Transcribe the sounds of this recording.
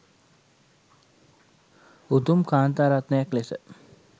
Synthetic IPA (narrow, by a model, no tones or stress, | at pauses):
ut̪umkaːnt̪aːɾat̪nəjaklesə